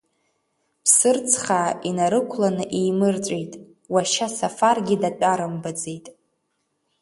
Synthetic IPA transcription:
pʰsɨrt͡sʰχaːinaɾɨkʷʰlanɨʔejmɨrt͡sʷʼejtʼ | waʃasafarɡʲɪdat͡pʷʼaɾambad͡zejtʼ

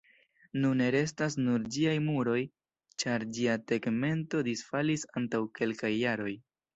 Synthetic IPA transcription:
nune̞ɾe̞s̬tas̬nuɾd͡ʒiajmuɾo̞j | t͡ʃaɾd͡ʒiateɡme̞nto̞disfalisantawke̞lkajːaɾo̞j

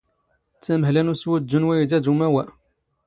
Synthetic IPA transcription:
t͡sːæməɦlænuswəd̪ːunwæjid̪æd̪umæwæ

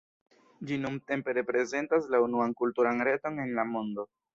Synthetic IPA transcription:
d͡ʒinumte̞mpe̞ɾe̞pɾe̞ze̞ntaslaunuankultuɾanɾe̞to̞ne̞nlamo̞ndo̞

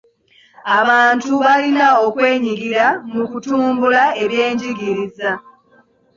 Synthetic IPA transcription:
aβaːntuβalinaokwe̞ːɲiɡiɾamukutuːmbulae̞βje̞ːɲɟiɡiɾiza

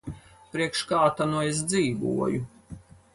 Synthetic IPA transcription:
pɾiɛkʃkaːt̪anues̬d̪ziːɡṵɔju

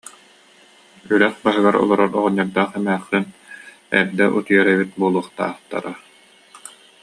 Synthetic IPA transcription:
yɾɛχbaɦɯɡaɾɔ̰lˠɔɾɔɾɔʁɔɲːaɾd̪aːχɛmɛːχːyn | ɛ̰ɾd̪ɛʔut̪ɯjɛɾɛbit̪̚buɔlˠuːχt̪a̰ːχt̪a̰ɾa

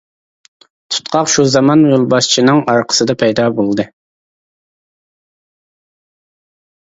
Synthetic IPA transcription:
t̪ʰu̥t̪qʰɑqʃuzɑmɑnjolˠbɑʃt͡ʃʰinɨŋɑɾqʰə̥sɨd̪ɑpʰɛjd̪ɑːbolˠd̪ɨ

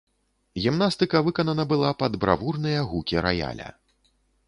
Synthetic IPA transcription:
ɣʲimn̪ast̪ɨkɐvɨkɐnɐnɐbɨlˠapɐd̪bɾa̰vurnɨjɐɣukʲiɾɐ̰ja̰lʲɐ̰

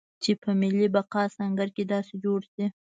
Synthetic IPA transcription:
t͡ʃepəmɪlibaqɑsɑŋɡaɾked̪ɑsed͡ʒoɽsi

